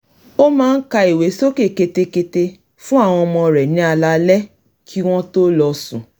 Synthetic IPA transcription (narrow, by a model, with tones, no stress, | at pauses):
o˦mãː˦n̩˦ka˧i˨we˨˦so˦ke˦˨ke˧te˧ke˧te˧ | fũ˦a˦˨w̃ɔ̃˧ɔ˧mɔ̃˧ɾɛ˨nĩ˨˦a˧la˧lɛ˦ | kʰi˦w̃ɔ̃˦to˦lɔ˧sũ˨